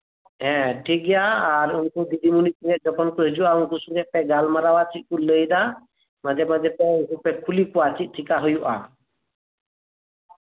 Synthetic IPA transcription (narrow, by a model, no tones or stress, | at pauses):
ɦɛ̃ʈʰik̚ɡɛjaːɾuŋkud̪id̪ʱimunik̚inɛʔ̚d͡ʒɔkʰɔnkɔɦed͡ʒuʔaũŋkusuɡɛʔ̚pɛɡalmaɾawat͡ʃʰikuləjd̪a | mad͡ʒɛmad͡ʒɛpɛukupɛkʰulipuwat͡ʃʰiʔ̚ˀʈʰikaɦɔjuʔa̰